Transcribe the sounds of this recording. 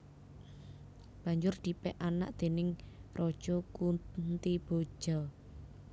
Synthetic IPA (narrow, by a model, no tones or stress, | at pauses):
b̥ä̤ɲd͡ʒʊrd̪̥i̤pɛʔana̰ʔd̪̥e̤nɪŋrʔɔd̥ʒ̥ɔkunt̪ib̥o̥ʒ̥ɔ